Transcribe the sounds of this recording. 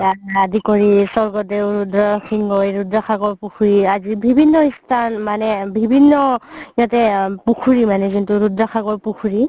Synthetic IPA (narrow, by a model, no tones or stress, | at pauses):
aadikɔɹisɔɹɡɔtɛɹudɹɔxʰiŋɡɔjɹudɹaxʰaɡɔɹpukʰuɹiazibʱibʱinːɔistʰanmanɛbʱibʱinːɔjatɛpukʰuɹimanɛzintuɹudɹaxʰaɡɔɹpukʰuɹi